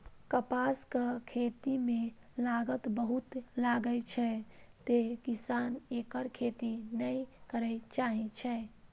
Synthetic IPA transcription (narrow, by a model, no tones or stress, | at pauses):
kəpaskəkʰet̪ime | laɡət̪bəɦut̪laɡət͡ʃʰɛt̪ekisanekəɾkʰet̪inəjkəɾɛt͡ʃaɦit͡ʃʰɛ